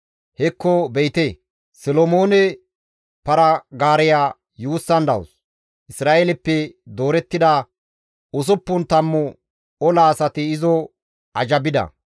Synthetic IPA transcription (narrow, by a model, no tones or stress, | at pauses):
hɛkːɔbɛjt̪eː | sɛlomoːnɛ | pɐɾɐɡaːɾɛjaː | juːsːɐnd̪ɐ̰wʊ̰s | ʔɪsɾaːʔelɛpːɛd̪o̞ːɾɛt̪ːɪd̪a | ʊs̬ʊpːʊnt̪ɐmːʊ | ɔlaːsɐt̪ɪɪzɔ | ɐd͡ʒɐbɪd̪ɐ̰